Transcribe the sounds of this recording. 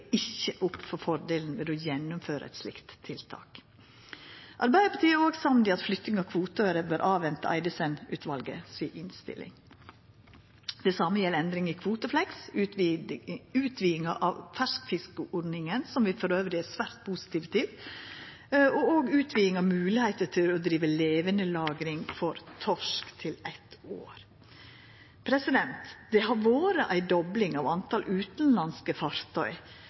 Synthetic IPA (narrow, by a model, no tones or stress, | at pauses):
ɪçəʔʊpːfɔɾfɔɾɖeːln̩ʋɪlojɛnːʊmføːɾə̰ɛ̰t̪slɪ̰kt̪ʰːɪlt̪ʰɑ̰ːk | ʔɑɾbæɪd̪əpʰɑt̪ʰiːəɾoːɡsɑmnd̪ɪɑt̪flʏt̪nɪŋɑkʰʋuːt̪øːɾəbøːɾʔɑːʋɛnt̪ə̰ʔæ̰ɪd̪əsɛnʉ̰ːt̪ʰʋɑlɡə̰siːʔɪnst̪ɪ̰lʔɪ̰ŋ | d̪̥ɛsɑməjɛlɛnd̪ɾɪŋɪkʰʋuːt̪əflɛksʉ | ʉːt̪ʰʋiːɪŋɑʔɑʋfæʂkfɪskəʔɔɖnɪŋənsɔmʋɪfɔɾøːʋɾɪæsʋæːɾt̪̚pʰuːsɪ̥t̪ʰiːʋt̪ʰiːʋ | ɔoːɡʉːt̪ʰʋiːɪŋɑʋmʉːlɪhæɪt̪ət̪ʰɪlɔd̪ɾiːʋəleːʋənəlɑːɡɾɪŋfɔɾt̪ʰɔʂkt̪ʰɪlæɪt̪o̰ːɾ | pʰɾɛsɪd̪ɛnt̪d̪̥ɛɦɑɾʋoːɾəʔæɪd̪ɔblɪŋɑʋɑnt̪ʰɑlʔʉːt̪n̩lɑnskəfɑɾt̪ʰɔʏ